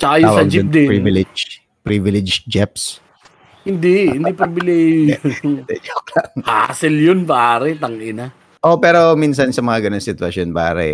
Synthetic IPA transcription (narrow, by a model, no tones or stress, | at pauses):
sakaj̪aːwsɐɡd͡ʒiʊpn̚d̪ɪpɾivɪlɛd͡ʒ | pɾivɪlɛd͡ʒd͡ʒɛps | hɪnd̪ihɪnd̪ipɾibɪlɛj | d̪ɛ̰koklɐŋha̰sɪljonbɐaːɾɛt̪ɐŋʔɪna | ʔo̞pɛːɾo̞minsɐnsɐmɐŋaɡɐnoŋsɪt̪wɐsjonbɐa̰ːɾɛ̰